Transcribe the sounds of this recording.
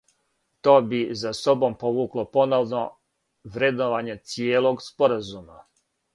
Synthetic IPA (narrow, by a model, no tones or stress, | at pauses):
t̪o̞ːbizaso̞bo̞mpo̞ʋuːklˠo̞po̞noʋno | ʋɾed̪oʋaɲe̞t̪sijeːlo̞ɡspo̞ɾazuma